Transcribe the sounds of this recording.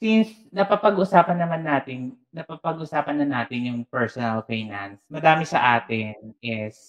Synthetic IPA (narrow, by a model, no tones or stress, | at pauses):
sins | nɐpɐpɐɡʔʊsaːpɐnːɐmanːaːt̪ɪnnɐpɐpɐɡʔʊsaːpɐnːɐnːaːt̪ɪnjʊŋpɛɹsonɐlfejnɐnsmɐd̪aːmɪsɐ̰ʔaːt̪ɪnʔɪs